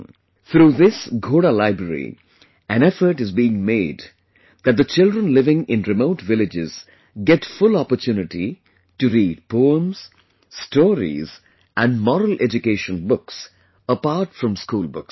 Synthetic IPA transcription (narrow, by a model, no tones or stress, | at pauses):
t̪ʰɾuːðɪsɡoːɖalaɪbɾəɾḭ | æ̃ñɛfəɾʈɨzbiːɪ̃ŋmeɪd | d̪æt̚d̪ət͡ʃɪldɾɹə̃nlɪvɪ̃ŋɪ̃nɾɪmoʊʈʋɪlɪd͡ʒɪ̰z | ɡɛʈfʊlɔpəɾtʰjuːnɪʈi | ʈɨɾiːɖ̚pʰoːə̃mz̥ | stʰɔːɾḭz | ʔæ̃nɖmɔɾəl̩ʔɛd͡ʒɨkeʃə̃nbʊks | əpaɾʈfɾʌ̃mskuːlˠbʊks